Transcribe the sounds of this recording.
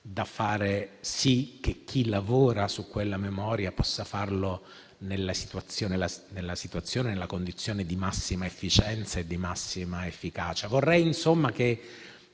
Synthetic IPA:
d̪afaːɾesik̟ːek̟ːilavoːɾasukːwelːamemɔːɾjapɔsːafarlo | nelːasi̥t̪wat̪sːjoːnelanelːasit̪wat̪sːjoːnenelːakond̪it̪sːjoːned̪imasːimaefːit͡ʃɛnt̪saed̪ːimasːimaefːikaːt͡ʃavorːɛjinsomːak̟e

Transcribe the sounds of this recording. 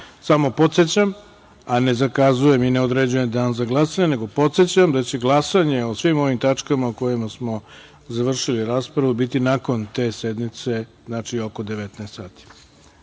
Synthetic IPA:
samo̞po̞t̪se̞t͡ɕam | ane̞zakazujemineo̞d̪ɾed͡ʑuje̞md̪aːnzaɡlˠasaɲene̞ɡopo̞t̪set͡ɕamd̪at͡ɕe̞ɡlˠasaɲe̞osʋimo̞ʋimt̪at͡ʂkamauko̞jimasmo̞ | zaʋr̩ʃiliɾaːspɾaʋubit̪inako̞nt̪e̞ːse̞d̪mit̪se̞znat͡ʃio̞ko̞d̪e̞ʋet̪neːst̪saːt̪i̥

